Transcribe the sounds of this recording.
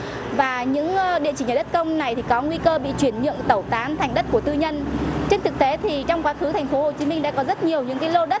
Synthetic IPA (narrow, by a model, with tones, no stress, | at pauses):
vaː˨˩ɲɨ̰˧˥ŋ˧ɗḭ˧˨ət͡ɕi̟˧˩˨aː˨˩ɗə˦˥t̚kə˧wŋ͡mna˨˩jt̪ʰi˨˩kɔ˨˦ŋwi˧kəː˧ɓḭ˧˨t͡ɕwi˧˩ənɲɨ̰˧˨əŋt̪ə˧˩wt̪aː˨˦nt̪ʰa˨˩ŋ̟ɗə˦˥t̚ku˧˩ət̪ɨ˧ɲə˧nt͡ɕe˧nt̪ɨ˨˩k̚t̪e˨˦t̪ʰi˨˩t͡ɕɔ˧wŋ͡mkwaː˨˦xɨ˨˦t̪a˨˩jŋ̟fo˨˦ho˨˩t͡ɕi˨˦mï˧ŋ̟ɗa̰ː˧˥kɔ˨˦zə˦˥t̚ɲi˨˩əwɲɨ̰˧˥ŋkaː˨˦jlo˧ɗə˦˥t̚